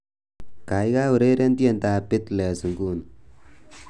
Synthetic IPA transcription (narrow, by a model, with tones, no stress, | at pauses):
ka˨jɡa˦wu˨ɾe˦ɾe˦nt̪i˦e˨nt̪a˨pɪ˦t̪lɛ˨sə˨ŋɡu˦n